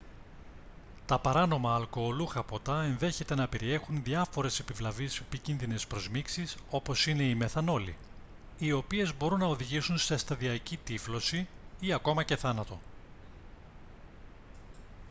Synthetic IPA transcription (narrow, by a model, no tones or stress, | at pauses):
t̪ɐpɐɾɐno̞mɐːlko̞ːluxɐpot̪ɐe̞nðe̞çe̞t̪e̞nɐpe̞ɾie̞xunðiɐfo̞ɾe̞se̞pivlɐvisepicinðine̞spɾo̞zmiksiso̞po̞sine̞ime̞θɐno̞lḭ | io̞pie̞zbo̞ɾunːɐo̞ðiʝisunse̞st̪ɐðiɐcit̪iflo̞siiɐko̞mɐce̞θɐnɐt̪o̞